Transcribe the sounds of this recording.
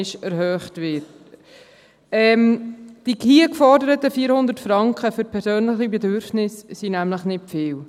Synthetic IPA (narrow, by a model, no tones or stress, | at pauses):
ɪʃɛɾɦœːχtʋɪt | ɛmd̥ikiːəkfɔɾdəɾətəfiːəɾhʊnd̪ətfɾɑŋkχəføɾpʰɛɾsøːnləχibɛdøɾfnɪssinæmləχnɪtfɪːw